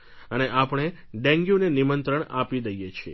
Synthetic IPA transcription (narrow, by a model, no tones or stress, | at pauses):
əneʔapəɳ̃e | ɖɛ̃ŋɡjunenimənt̪ɾəɳa̰pid̪əjet͡ʃʰiḛ